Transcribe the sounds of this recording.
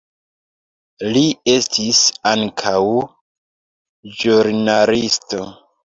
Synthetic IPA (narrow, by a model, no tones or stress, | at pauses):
lie̞stisaŋkʰaw | d͡ʒuɾnalisto̞